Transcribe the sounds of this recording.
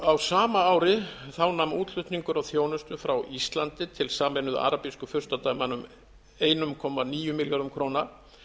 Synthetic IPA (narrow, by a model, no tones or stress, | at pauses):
awsaːmaaːwɾɪθawnamuːt̪lʏht̪niŋkʏɾawθjoːwnʏst̪ʏfɾawʔist̪lant̪ɪt̪ʰɪlsaːmɛnʏða̰ɾapiskʏfʏɾ̥st̪at̪aːjmanʏm | eːjnʏmkʰɔːmaniːjʏmiljaɾʏmkʰɾowna